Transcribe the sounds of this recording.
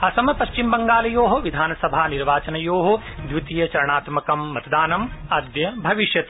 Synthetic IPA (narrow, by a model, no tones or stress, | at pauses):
ɐsɐmɐpɐʃt͡ʃimbɐŋɡaːlɐjoːɦɐʋid̪ʱaːnɐsɐbʱaːniɾʋaːt͡ʃɐnɐjoːɦo | d̪ʋit̪ijɐt͡ʃɐɾɐɳaːt̪mɐkɐmːɐt̪ɐd̪aːnɐmɐːd̪jɐbʱɐʋiʃjɐt̪